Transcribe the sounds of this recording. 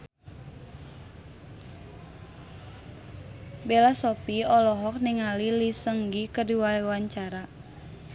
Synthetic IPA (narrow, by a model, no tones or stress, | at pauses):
belasɔpiɔlɔɦɔk̚niŋalilisəŋɡikədiwaewaɲt͡ʃaɾa